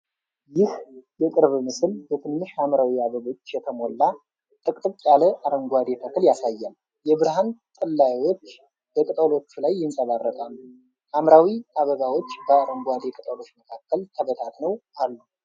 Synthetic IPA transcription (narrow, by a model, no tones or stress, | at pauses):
jɪhjɛk̪ʼɨɾβmɨsɨlbət̪ʰɨnːɨʃamɾawiaβəβo̞t͡ʃːjɛt̪ʰəmo̞lːa | t̪ʼɨkʼt̪ʼɨβʼjaləʔaɾəŋɡʷad̪et̪ʰək̪ʰɨljasajːal | jɛβɨɾhant̪ʼɨlːajwot͡ʃː | b̥əkʼɨt̪ʼəlo̞t͡ʃːulajːɪnsʼəβarːət̪ʼal | ʔamɾawiʔaβəɡawo̞t͡ʃːb̥əaɾəŋɡʷad̪ekʼɨt̪ʼəlo̞t͡ʃːməkʰakːəlt̪ʰəβət̪ʰat̪nəwʔalːu